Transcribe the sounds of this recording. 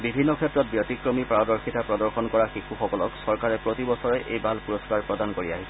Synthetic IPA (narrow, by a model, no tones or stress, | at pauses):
bibʱinːɔkʰɛtɹɔt̚bjotikɹomipɹawdɔɹxitapɹɔdɔɹxɔnkɔɹaxixuxɔkɔlɔksɔɹkaɹɛpɹotibɔsɔɹɛʔejbʱalpuɹɔskaɹpɹɔdankoɹia̰ɦisɛ